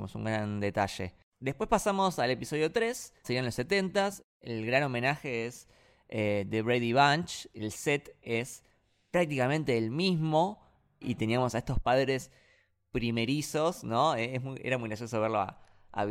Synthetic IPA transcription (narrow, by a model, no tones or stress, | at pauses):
mo̞sṵŋɡɾand̪e̞t̪aʃe̞̰ | d̪e̞hpwespasamo̞sale̞piso̞ð̞jo̞t̪ɾe̞sseɾianlose̞t̪e̞nt̪as | elɣɾano̞mẽ̞naxe̞es | ed̪eβɾejðiβant͡ʃelset̪es | pɾak̚t̪ikamẽ̞nt̪eːlmizmo̞ | ḭt̪eniamo̞saest̪o̞hpaðɾe̞s | pɾime̞ɾiso̞sno̞eesmujʔḛɾamujɣɾaɾsjos̬oβ̞eɾloa̰ | a̰